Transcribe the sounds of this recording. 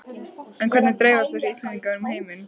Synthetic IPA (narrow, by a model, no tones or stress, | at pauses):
ɛnkʰvɛɾt̪nɪt̪ɾeːjvaɾst̪asiist̪lɛnt̪iŋkaɾmheːjmɪn